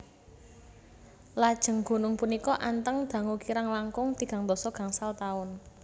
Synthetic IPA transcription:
lad̥ʒ̥ə̤ŋɡ̥o̤nʊŋpunikɔʔant̪əŋd̪̥a̤ŋukiɾaŋlaŋkʊŋd̪̥i̤ɡ̥a̤ŋd̪ɔ̤sɔɡ̥ä̤ŋsalt̪aʊn

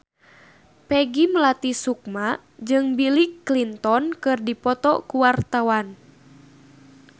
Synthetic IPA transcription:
pɛɡimlat̪isuk̚ma | d͡ʒɨŋbilikːlint̪ɔnkɨrdipɔt̪ɔkuwart̪awan

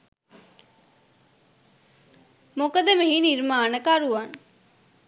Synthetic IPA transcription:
mokəd̪əmeɦiniɾmaːnəkaɾuʋan

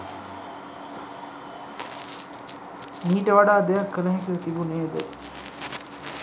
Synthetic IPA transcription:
niːʈəʋaɖaːd̪ejakʰːələɦekəlt̪ibuneːd̪ə̰

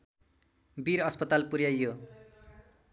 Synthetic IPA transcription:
biɾʌspʌt̪alpuɾjajːo

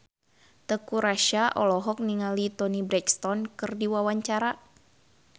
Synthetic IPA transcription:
t̪əkuɾaʃaʔɔlɔɦɔk̚niŋalit̪ɔnibɾɛkst̪ɔnkɨrdiwawaɲt͡ʃaɾa

